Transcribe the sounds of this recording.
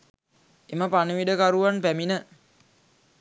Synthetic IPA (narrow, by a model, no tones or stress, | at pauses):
eməpaniʋiɖəkaɾuʋanpæminə